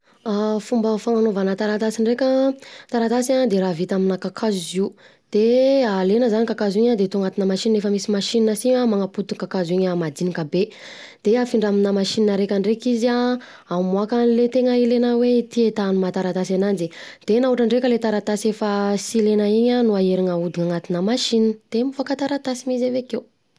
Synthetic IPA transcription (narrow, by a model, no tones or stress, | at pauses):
afumbafaŋanovanət̪aɾat̪asiɳɖ͡ʐekʲət̪aɾat̪asiaŋd̪eɾavit̪aminəkakʰazizi | d̪̥ealenəzanikakaziɲad̪et̪uŋat̪inəmaʃinnefəmisimaʃininəsiɲamaŋaput̪ukakaziɲamad̪inikabe | d̪̥eafiɳɖ͡ʐaminəmaʃininəɾekʲaɳɖ͡ʐekiza | amuakanlet̪eŋəilenawet̪iet̪anumat̪aɾat̪asanand͡ʒid̪̥enauʈ͡ʂaɳɖ͡ʐekʲəlet̪aɾat̪asefasilenaiɲanuaeɾiŋəud̪iŋaŋat̪inəmaʃinnd̪̥emivoakat̪aɾat̪asimizavekew